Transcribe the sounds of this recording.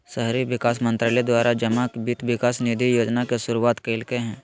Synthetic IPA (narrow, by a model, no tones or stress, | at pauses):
ʃəɦɾiʋɪkaːs̬mə̃nt̪ɾəlɛd̪waːɾad͡ʒɐmakbit̪ʋɪkaːsnid̪ʱijoːd͡ʒnakesʊɾuaːt̪keːlkeɦɛ̃ː